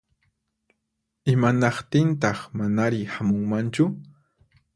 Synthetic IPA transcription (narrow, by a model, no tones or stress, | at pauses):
ɪmanɑχt̪ɪnt̪̬ɑχmanaɾɪhamʊŋmant͡ʃʊ